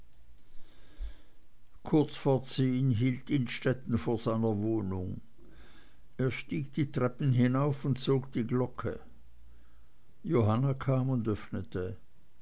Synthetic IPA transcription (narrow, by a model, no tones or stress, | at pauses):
kʰʊɐt͡sfoːɐt͡seːənɦiːltɪnʃtɛtn̩foːɐz̥aɪnɐvoːnʊŋ | eːɐʃtiːɡd̥iːtʁɛpn̩ɦɪnaʊfʊntt͡soːɡd̥iːɡlɔkʰə̰ | joɦanakʰaːmʊndœfnətʰə